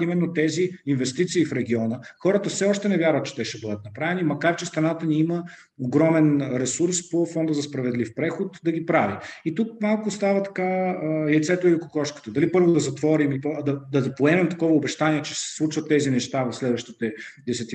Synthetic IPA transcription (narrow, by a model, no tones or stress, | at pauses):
imɛnːot̪ɛziinvɛst̪it̪siːfɾɛɡ̟ʲiɔnəxɔɾət̪əfsɛɔʃt̪ɛnɛvʲjaɾvət̪̚t͡ʃɛ̥t̪ɛʃɛbɤd̪ət̪̚nɐpɾavɛnimɐkaɾt͡ʃɛst̪ɾɐnat̪əniimə | oɡɾɔmɛnɾɛsuɾspofɔnd̪əzɐspɾɐvɛd̪lifpɾɛxot̪d̪ɐɡipɾaviit̪uk̚malˠkʊst̪avət̪ɐ̥kajɛt̪sɛt̪oilikokɔʃkə̥t̪əd̪ɐlipɤɾvʊd̪ɐzɐt̪vɔɾimipd̪ɐd̪ɐpoɛmɛmt̪ɐkɔvəʊbɛʃt̪aniɛt͡ʃɛ̥sɛ̥slˠut͡ʃvət̪ːɛzinɛʃt̪avɐfslɛd̪vəʃt̪it̪ɛd̪ɛsɛt̪